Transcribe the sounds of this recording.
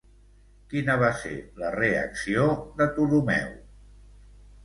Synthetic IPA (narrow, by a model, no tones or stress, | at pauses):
kinəβ̞asḛləreə̰ksioðət̪ulumɛ̰w